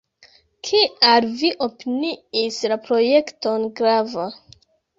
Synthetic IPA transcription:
kʰialviʔopiniislapɾo̞jekto̞nɡɾava

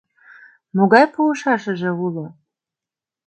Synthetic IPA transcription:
moɣɑjpuuʃɑʃə̆ʒĕulo

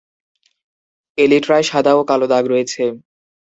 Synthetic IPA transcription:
eliʈɾaeʃad̪ʱaokalod̪aɡɾojet͡ɕʰe

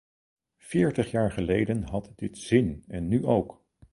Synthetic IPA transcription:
fɪːɹtəχjaːɹχəlejdənɦɑtdɪtz̥ɪnɛnːyʔowk

